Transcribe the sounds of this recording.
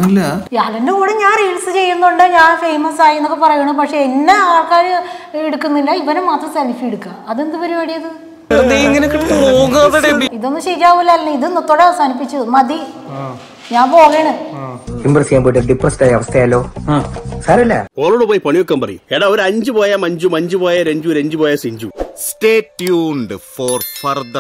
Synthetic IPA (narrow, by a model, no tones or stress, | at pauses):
ɐlːɐjaːlendekuːɽeɲaːniɻsɨt͡ɕe̞jːunːuɳɖɨɲaːɳfejmɐsaːjenːokːepɐrɐjuɳupɐkʂe̞enːaaːɭkaːɾɨeɽukːunːilːɐiʋɐnumːaːt̪rɐsɐlːifieɽukːaːɐðend̪upɐɾuʋaɽijɐðɨ | eðeiŋːɐnekːiʈːɐpoːɣaːðiɽeuɳɖiiðo̞nːɨɕejkːaːʋilːalːɐnːɨiðɨnːot̪ːoːɽeɐʋɐsaːnipːit͡ɕːumɐd̪i | ɲaːmpo̞ːɣeːɳɨimbrɐsijaːmboːʈːɐɖiprɐsʈaːjɐɐʋɐst̪ʰɐjaːlːo̞ː | saːɾɐlːɐ̰oːɭoːɽupoːjipɐɳijokːaːmpɐrɐjḭeːɽaːoɾɐɲd͡ʑɨpoːjamɐɲd͡ʑumɐɲd͡ʑupoːjaɾeɲd͡ʑuuɾɐɲd͡ʑɨboːjasiɲd͡ʑumsʈeːʈːjuɳɖɨfoːrfɐrd̪ɐ